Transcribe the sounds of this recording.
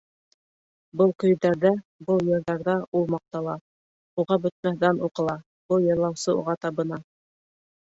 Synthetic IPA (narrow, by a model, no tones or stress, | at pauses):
bɤlˠkɵ̆jd̪æɾðæbɤlˠjɤ̆ɾðɑɾðɑulˠmɑq̚t̪ɑlˠɑ | uʁɑbɵ̆t̪̚mæhðænuqɤ̆lˠɑ | b̥ɤlˠjɑ̆lˠːɑwsɤṵʁɑt̪ɑβɤ̆nɑ